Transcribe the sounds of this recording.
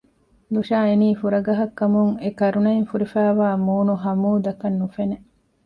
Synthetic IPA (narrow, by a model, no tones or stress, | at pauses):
luʃaːeniːfuɾɐɡɐɦɐkːɐmuŋekɐɾunɐiŋfuɾifæːʋaːmuːnuɦɐmuːd̪ɐkɐnːufene